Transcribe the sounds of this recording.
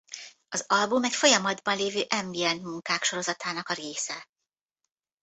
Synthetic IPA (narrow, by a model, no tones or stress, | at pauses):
ɒzɒlbumɛcfo̞jɒmɒd̪bɒnleːvøːʔɛmbiɛnt̪muŋkaːkʃo̞ɾo̞zɒt̪aːnɒkɒɾeːsɛ